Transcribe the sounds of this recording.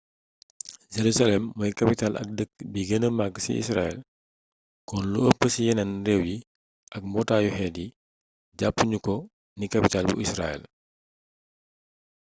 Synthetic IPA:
d͡ʒeɾusalɛmːɔjkɐpitalʔɐ̰k̚dək̚biɡənəmaɡsḭḭsra̰ːɛ̰l | kɔnluəpːəsijɛnɐnrɛwji | ʔɐk̚mɔtajuhɛdi | ɟapːuɲukɔ | nikɐpitaːlbṵʔisra̰ɛ̰l

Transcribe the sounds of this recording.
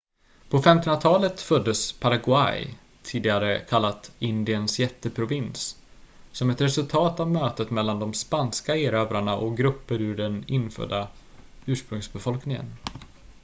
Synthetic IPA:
pʰɔfɛmt̪ɔnat̪ʰɑːlət̪fœd̪ːəspʰaɾaɡʊa̰j | t̪ʰiːd̪ɪɡaɾəkʰalːat̪ɪnd̪ɪənsjɛt̪ːəpʰɾʊvɪnsː | ɔmɛt̪ɾɛsɵlt̪ʰɑːt̪avmøːt̪ət̪mɛlːand̪ɔmspanskaeːɾøːvɾaɳaʔɔkɡɾɵpːəɾʉɖɛnɪnːfœ̰d̪ːa | ʉ̟ːʂpɾɵŋsbɛfɔlknɪŋə̰n

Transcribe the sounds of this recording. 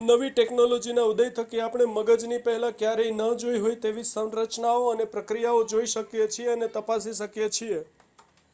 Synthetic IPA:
nəʋiʈeknolod͡ʒinaud̪əjt̪ʰəkiapɳ̃eməɡəd͡ʒnipəɦɛlãkjaɾeinəd͡ʒoiɦojt̪eʋisənɾət͡ʃnaoənepɾəkɾijaod͡ʒoiʃəkjet͡ʃʰieənet̪əpasiʃəkjet͡ʃʰie

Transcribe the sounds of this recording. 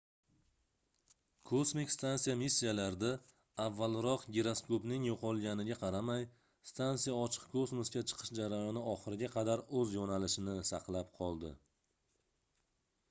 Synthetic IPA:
kʰosmikʲst̪ansijamisʲːijalaɾd̪a | avːalɾɒqɡʲeɾaskopnɪŋjoqʰɒlˠɡʲanɪɡʲaqʰɑɾamaj | st̪ʰansijaɒt͡ʃʰɨ̥qkʰosmʊskʲat͡ʃʰɨ̥qʰɨ̥ʃd͡ʒaɾajɒnɪɒχɨɾɪɡʲaqʰɑd̪aɾɵzjonalɪʃɪnɪsɑqlˠap̚qʰɒlˠd̪ɪ̰

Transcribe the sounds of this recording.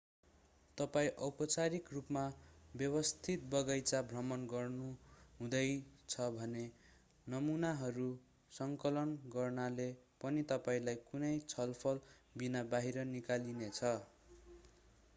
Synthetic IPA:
t̪ʌpaĩʔʌpʌt͡saɾikrupmabjʌbʌst̪ʰit̪̚bʌɡʌjt͡sabʱrʌmʌnɡʌrnuɦũd̪ʌjt͡sʰʌbʱʌne | nʌmunaɦʌɾu | sʌŋkʌlʌnɡʌrnalepʌnit̪ʌpaĩlajkunʌjt͡sʰʌlpʰʌlbinabaɦiɾʌnikalinet͡sʰʌ

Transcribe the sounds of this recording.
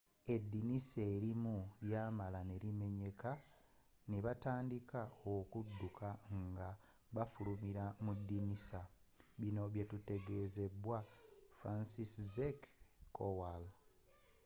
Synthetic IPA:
e̞dːinise̞ːɾimuljaːmalane̞ɾime̞ɲe̞ka | neβataːndikaokudːukʰaŋɡa | βafulumiɾamudːinisa | βino̞βjetute̞ɡe̞ze̞bwafɾansiszekːowal

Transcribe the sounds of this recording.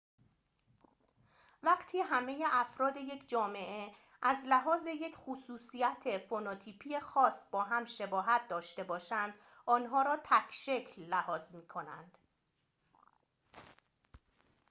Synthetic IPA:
væɢt̪ʰiːɦæme̞jeʔæfɾɒːd̪e̞je̞cʰd͡ʒɒːme̞ʔe | ʔæzlæɦɒːze̞je̞cʰxusuːsijæt̪ʰe̞fonɒːt̪ʰiːpʰiːje̞xɒːsbɒːɦæmʃe̞bɒːɦæt̪̚ʰd̪ɒːʃt̪e̞bɒːʃænd̪̥ɒːnɦɒːɾɒːt̪ʰæcʰʃe̞cʰlːæhɒːzmiːkʰo̞næ̰nd̪̥

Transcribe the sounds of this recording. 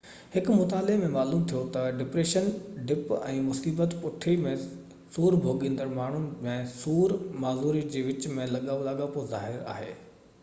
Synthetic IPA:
hɪkʊmʊt̪aːlɪemẽmaːluːmt̪ʰijot̪ɐɖɪpɾeːʃənɖɪpɛ̃ːmʊsiːbət̪pʊʈʰimẽ | suːɾbʱoːɠẽːnd̪əɾmaːɳ̤ũmẽsuːɾmaːzuːɾid͡ʑeːʋɪt͡ɕmẽlɐɠaːʋolaɠapozaːɦɪɾa̰ːɦḛː

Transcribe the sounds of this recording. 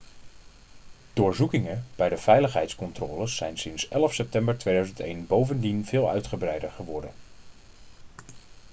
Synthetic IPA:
d̥ʊːɹzukɪŋəb̥ɛjdəv̥ɛjləχɦɛjtskɔntrɔ̰ːləsːɛjnsɪnsɛləfsɛp̚tɛmbəɹtʋejdœɥzəntḛjnbowvəndinvɪːlˠœ̰ɥtχəbrɛjdəɹχəʋɔɹdən

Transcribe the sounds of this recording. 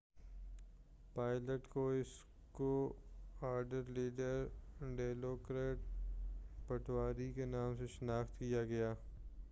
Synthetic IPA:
paːɪləʈkoɪs | ko | aːɾɖəɾliːɖəɾɖeːloːkɾeːʈ̚ | pɐʈwaːɾikenaːmseʃɐnaːxt̪kijaɡɐjaː

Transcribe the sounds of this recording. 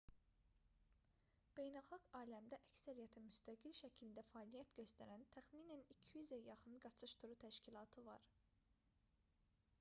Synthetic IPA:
b̥e̞jnælˠxɑɡɑːlæmd̪æʔæcsæɾijæt̪ʰimyst̪æɡilʃæcʰilind̪æfɑːlijæt̪ɟø̞st̪æɾænt̪ʰæxmiːnænicʰjyzæjɑχɯnɡɑt͡ʃʰɯʃt̪ʰuɾut̪ʰæʃcilˠɑːt̪ʰɯvɑ̰ɾ

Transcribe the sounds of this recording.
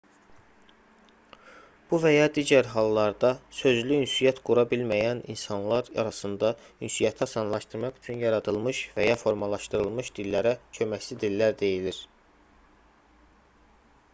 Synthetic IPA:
b̥uvæjɑd̪iːɟæɾɦɑlˠːɑɾd̪ɑsø̞zlyynsyjɑt̪ɡuɾɑbilmæjænḭnsɑnlˠɑɾɑ̰ɾɑsɯnd̪ɑ | ynsijɑt̪ʰɑsɑnlˠɑʃt̪ɯɾmɑχyt͡ʃʰynjɑɾɑd̪ɯlˠmɯʃvæjɑfo̞ɾmɑlˠɑʃt̪ɯɾɯlˠmɯʃd̪̥ilːæɾæcʰø̞mæcsid̪ilːæɾd̪e̞jiliɾ

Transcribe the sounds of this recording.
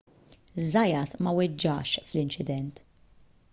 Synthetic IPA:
zɐjɐt̪mɐwɪd͡ʒːɐʃflɪnt͡ʃɪd̪ɛnt̪

